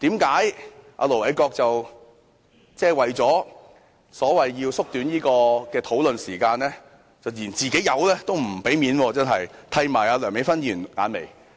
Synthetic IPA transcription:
t̪iː˨˥mkaː˨˥jʔa̰ː˧lo˨wɐ˨˧jkɔː˧k̚t͡sɐ˨w | t͡sɛː˥˩wɐ˨˩jt͡sɔː˨˥ | sɔː˨˥wɐ˨jjiː˧wsʊ˥k̚t̪yː˨˥njiː˥kɔː˧kɛː˧t̪ʰo˨˥wlɵ˨nsiː˨˩kaː˧nlɛː˥ | t͡sɐ˨wjiː˨˩nt͡siː˨ke˨˥jɐ˨˧wlɛː˥t̪o˥wm̩˨˩pe˨˥jmiː˨˧˥nwɔː˧t͡sɐ˥nɦɐ˨jt̪ʰɐ˧jmaː˨˩jaː˨˧lœː˨˩ŋme˨˥jfɐ˥njyː˨˩nŋa̰ː˨˧nmḛ˨˩j

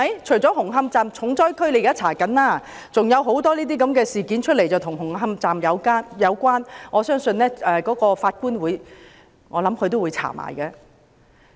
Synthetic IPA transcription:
ɐ˨jt͡ʃʰɵ˨˩ɥt͡sɔ˨˥ɦʊ˨˩ŋɦɐ˧mt͡saː˨mt͡sʰʊ˨˥ŋt͡sɔː˥jkʰɵ˥ɥle˨˥jkaː˥t͡sʰaː˨˩kɐ˨˥naː˥ | t͡sʊ˨ŋjɐ˨˧wɦo˨˥wt̪ɔː˥liː˥t̪̬iː˥k̬ɐ˨˥mkɛː˧siː˨˩kiː˨˥nt͡ʃʰɵ˥le˨˩jt͡sɐ˨wtʰʊ˨˩ŋɦʊ˨˩ŋɦɐ˧mt͡saː˨mjɐ˨˧wkaː˥njɐ˨˧wkʷaː˥nŋɔː˨˧sœː˥ŋsɵ˧nlɛː˥ʔɛː˨kɔː˨˥kɔː˧faː˧t̚kuː˥nwuː˨˥j | ŋɔː˨˧lɐ˨˥mkʰɵ˧t̪̬o˥wːu˨˧jt͡sʰa̰ː˨˩ma̰ː˨˩jkɛ˧

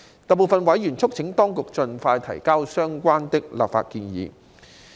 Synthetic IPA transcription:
t̪ɐ˨po˨˩wfɐ˨nwɐ˨˥jyː˨˩nt͡sʰʊ˥k̚t͡sʰɪ˨˥ŋt̪ɔː˥ŋkʊ˨k̚t͡sɵ˧nfaː˧jt̪ʰɐ̰˨˩jkaː˥wsœː˥ŋkʷaː˥nt̪ɪ˥k̚la̰ː˨p̚fa̰ː˧t̚kiː˧njḭː˨˧

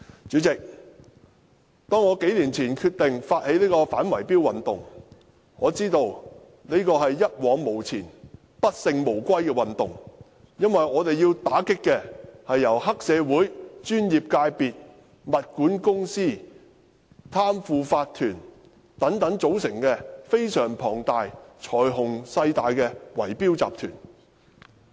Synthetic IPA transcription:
t͡ʃyː˨˥t͡sɪ˨k̚ | t̪ɔː˥ŋːɔː˨˧ke˨˥jliː˨˩nt͡sʰiː˨˩nkʰyː˧t̚t̪ɪ˨ŋfaː˧t̚he˨˥jliː˥kɔː˧faː˨˥nwɐ˨˩jpiː˥wɐ˨nt̪ʊ̰˨ŋ | ŋɔː˨˧t͡siː˥t̪o˧w | niː˥kɔː˧ɦɐ˨jːɐ˥t̚wɔː˨˧˥ŋmo˨˩wt͡sʰiː˨˩n | pɐ˥t̚sɪ˧ŋmo˨˩wkʷɐ˥jkɛː˧wɐ˨nt̪ʊ̰˨ŋ | jɐ˥nwɐ˨jɔː˨˧t̪e˨jːiː˧wt̪aː˨˥kɪ˥kːɛː˧hɐ˨jːɐ˨˩whɐ˥k̚sɛː˨˧wuː˨˥jt͡ʃyː˥njiː˨p̚kaː˧jpiː˨t̚ | mɐ˨t̚kuː˨˥nkʊ˥ŋsiː˥˩ | t̪ʰaː˥mfuː˨faː˧t̪ʰyː˨˩n | t̪ɐ˨˥ŋt̪ɐ˨˧˥ŋt͡so˨˥wsɪ˨˩ŋkɛ˧fe˥jsœː˨˩ŋpʰɔː˨˩ŋt̪aː˨jt͡sʰɔː˨˩jɦʊ˨˩ŋsɐ˧jt̪aː˨˧jkɛː˧wɐ̰˨˩jpiː˥wt͡sa̰ː˨p̚t̪ʰyː˨˩n

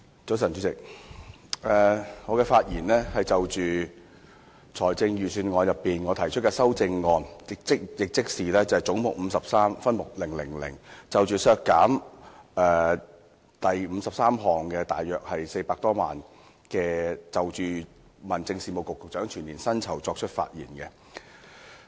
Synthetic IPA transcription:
t͡so˨˥sɐ˨˩nt͡ʃy˨˧˥t͡sɪ˨k̚ | ʔɛː˨˧ŋɔː˨˧kɛː˧faː˧t̚jiː˨˩nlɛː˥hɐ˨jt͡sɐ˨wt͡ʃyː˨ | t͡sʰɔː˨˩jt͡sɪ˧ŋjyː˨syː˧nŋɔː˨˧njɐ˨pːiː˨nŋɔː˨˧t̪ʰɐ˨˩jt͡ʃʰt̚kɛː˧sɐ˥wt͡sɪ˧ŋːɔː˧nɪ˨k̚t͡sɪ˥k̚jɪ˨k̚t͡sɪ˥k̚siː˨˩lɛː˥t͡sɐ˨hɐ˨jt͡sʊ˨˥ŋmʊ˨k̚m̩˨˧sɐ˨p̚saː˥mfɐ˥nmʊ˨k̚lɪ˨˩ŋlɪ̰˨˩ŋlɪ̰˨˩ŋt͡sɐ˨wt͡ʃyː˨˩sœː˧kːaː˨˥mɛː˨˧ | t̪ɐ˨jm̩˨˧sɐ˨p̚saː˥mɦɔː˨˩ŋkɛ˧t̪aː˨jːœː˨k̚hɐ˨jse˧jpaː˧k̚t̪ɔː˥ma̰ː˨n | kɛː˧t͡sɐ˨wt͡ʃyː˨ | mɐ˨˩nt͡sɪ˧ŋsiː˧mo˨wkʊ˨˩kːʊ˨k̚t͡ʃœː˨˥ŋt͡ʃʰyː˨˩nːiː˨˩nsɐ˥nt͡sʰɐ˨˩wt͡sɔː˧k̚t͡ʃʰɵ˥t̚fa̰ː˧t̚jḭː˨˩nkɛ˧

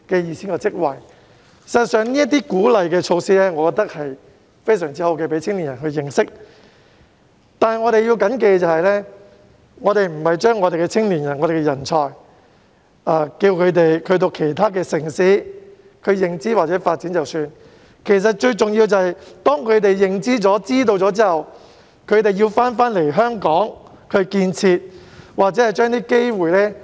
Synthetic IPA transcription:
kɛː˧jiː˨˩siː˥nkɔː˧t͡sɪ˥k̚wɐ˨˩j | sɐ˨tsœː˨˧ŋniː˥ɐ˥t̪̬ːiː˥kuː˨˥lɐ˨jkɛː˧t͡ʃʰo˧wsiː˥lɛː˥ŋɔː˨˧kɔː˧k̚t̪ɐ˥k̚hɐ˨j | fe˥jsœː˨˩ŋt͡siː˥hɐ˨˧wkɛ˧pe˨˥t͡sʰɪ˥ŋliː˨˩njɐ˨˩nɦɵ˧ɥjɪ˨˧ŋsɪ˥k̚ | t̪aː˨˧nhɐ˨jŋɔ˨˧ɾe˨ji˧wkɐ˨˥nk̬e˧jt͡sɐ˨whɐ˨jlɛː˥ | ŋɔː˨˧t̪e˨jm̩˨˩hɐ˨jt͡ʃœː˥ŋːɔː˨˧ɾe˨jkɛ˧t͡sʰɪ˥ŋliː˨˩njɐ˨˩nŋɔː˨˧ɾe˨˩kɛ˧jɐ˨˩nt͡ʃʰɔː˨j | aː˧kiː˧wkʰɵ˨˧ɥt̪e˨jkʰɵ˧t̪̬o˧wkʰe˨˩jt̪ʰaː˥k̬ɛː˧sɪ˨˩ŋsiː˨˥ | kʰɵ˨˧ɥjɪ˨˩ŋt͡siː˥waː˨t̚t͡sɛː˨˥faː˧t̚t͡siː˨˥nt͡sɐ˨wsyː˧n | kʰe˨˩js̬ɐ˨t̚t͡ʃɵ˧ɥt͡sʊ˨ŋji˧wt͡sɐ˨hɐ˨jt̪ɔː˥ŋkʰɵ˨˧t̪e˨jːɪ˨ŋt͡siː˥t͡sɔː˨˥t͡siː˥t̪o˧wt͡sɔː˨˥t͡siː˥hɐ˨w | kʰɵ˨˧ɥt̪e˨jiː˧wfaː˥nfaː˥nle˨˩jɦœː˥ŋkɔː˨˥ŋ | kʰɵ˧kiː˧nt͡sʰiː˧t̚waː˨t̚t͡sɛː˨˥hɐ˨˩jt͡ʃœː˥ŋt̪iː˥ke˥jwuː˨˩jlɛː˥

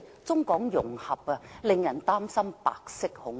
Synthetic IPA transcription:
t͡sʊ˥ŋkɔː˨˥ŋjʊ̰˨˩ŋhɐ˨p̚ɐ˧lɪ˨ŋjɐ˨˩nt̪aː˥msɐ˥mpa̰ː˨˧k̚sɪ˥k̚hʊ˨˥ŋ

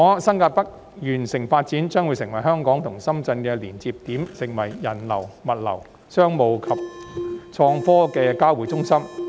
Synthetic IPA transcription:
ɔː˨˧sɐ˥nkaː˧t̚pɐ˥k̚ | jyː˨˩nsɪ˨˩ŋfaː˧t̚t͡siː˨˥nt͡sœː˥ŋwu˨˧sɪ˨˩ŋwɐ˨˩jɦœː˥ŋkɔː˨˥ŋt̪ʰʊ˨˩ŋsɐ˥mt͡sɐ˧nkɛː˧liː˨˩nt͡siː˧p̚t̪iː˨˥msɪ˨˩ŋwɐ˨˩jːɐ˨˩nlɐ̰˨˩wmɐ˨t̚lɐ̰˨˩w | sœː˥ŋmo˨wkʰɐ˨p̚t͡sʰɔː˧ŋfɔː˥kɛː˧kaː˥wuː˨˥jt͡sʊ˥ŋsɐ˥m

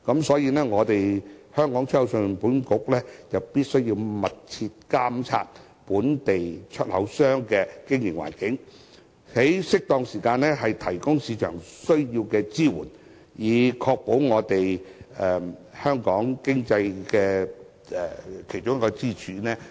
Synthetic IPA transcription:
kɐ˨˥msɔː˨˥jiː˧nɛː˥ŋɔː˨˧t̪e˨jhœː˥ŋkɔː˨˥ŋt͡ʃʰɵ˥˨˧wsə˧puː˨˥nkʊ˨˥k̚lɛː˥t͡sɐ˨wpiː˥t̚sɵ˥ɥjiː˧wmɐ˨t̚t͡sʰiː˧t̚kaː˥mt͡sʰa̰ː˧t̚ | puː˨˥nt̪e˨jt͡ʃʰɵ˥t̚hɐ̰˨˥wsœː˥ŋkɛː˧kɪ˥ŋjɪ˨˩ŋwa̰ː˨˩nkɪ˨˥ŋ | he˨˥jsɪ˥k̚t̪ɔː˧ŋsiː˨˩kaː˧nɛː˥ɦɐ˨jt̪ʰɐ˨˩jkʊ˥ŋsiː˧t͡ʃʰœ̰ː˨˩ŋsɵ˥ɥjiː˧wkɛː˧t͡siː˥wṵː˨˩n | jiː˨˧kʰɔː˧k̚po˨˥wŋɔː˨˧t̪e˨jɛː˨˩hœː˥ŋkɔː˨˥ŋkɪ˥ŋt͡sɐ˧jkɛː˧ | ɛ˨kʰe˨˩jt͡ʃʊ˥ŋ˥kɔː˧t͡siː˥t͡ʃʰyː˨˧nɛː˥

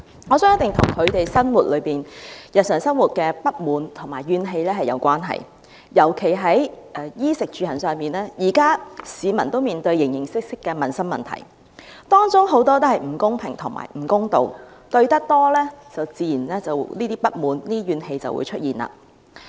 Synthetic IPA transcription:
ŋɔː˨˧sœː˨˥ŋjɐ˥t̪ɪ˨˩ŋt̪ʰʊ˨˩ŋkʰɵ˨˧t̪e˨jsɐ˥nwuː˨t̚lɵ˨˧ɥpiː˨njɐ˨t̚sœː˨˩ŋsɐ˥nwuː˨t̚kɛː˧pɐ˥t̚muː˨˧nt̪ʰʊ˨˩ŋmaː˨˩jːyː˧nɦe˧jlɛː˥ɦɐ˨jɐ̰˨˧wkʷaː˥nɦɐ̰˨˩j | jɐ˨˩wkʰe˨˩jɦɐ˨˥jʔɛ˧jiː˥sɪ˨k̚t͡ʃyː˨˧hɐ˨˩nsœː˨˧ŋpiː˨˩nlɛː˥jiː˨˩kaː˥siː˨˧mɐ̰˨˩nt̪o˥wmiː˨nt̪ɵ˧ɥjɪ˨˩ŋjɪ˨˩ŋsɪ˥k̚sɪ˥kːɛː˧mɐ˨nsɐ˥mɐ̰˨˩nt̪ʰɐ̰˨˩j | t̪ɔː˥ŋt͡sʊ˥ŋɦo˨˥wt̪ɔː˥t̪o˥hɐ˨jm̩˨˩kʊ˥ŋpʰɪ̰˨˩ŋt̪ʰʊ˨ŋma̰ː˨˩jm̩˨˩kʊ˥ŋt̪o̰˨wt̪ɵ˧ɥt̪ɐ˥k̚t̪ɔː˥lɛː˥t͡sɐ˨˩wt͡siː˨˧jiː˨˩nlɛː˥t͡sɐ˨wliː˥t̪iː˥pɐ˥t̚muː˨˧nliː˥ɥyː˨˧nhe˧jt͡sɐ̰˨wṵ˨˧jt͡ʃʰɵ˥t̚jiː˨nla̰ː˧

